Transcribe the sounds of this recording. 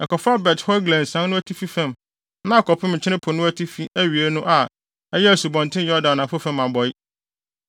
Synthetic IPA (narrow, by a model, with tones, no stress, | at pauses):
ɛ˨kɔ˨fɾa˦bɛ˨thɔ˦ɡlɛ̃˨n̩˨sã˦n˦nʊ̃˦æ˦tʰi˦fi˦fæ̃˦˨m | nã˦˨kʰɔ˨pʰɪ˦mɲ̩˨t͡ɕʰɪ˦ɾɪ̃˦pʰʊ˨nʊ̃˦æ˦tʰi˦fi˦æ˦ɥi˨e˦nʊ̃˦ʔa˨ | ɛ˦jɛ˦æ˨su˨bɔ̃˨ntʰɪ̃˦jɔ˦dã˨nã˨fʊ˦fɛ̃˦ma˨bɔ˨˦jɪ˦